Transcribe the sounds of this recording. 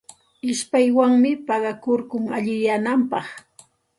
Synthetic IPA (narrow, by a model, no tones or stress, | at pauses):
ɪʃpajwaŋmɪpɑɢɑkoɾkʊŋaʎɪjanampɑχ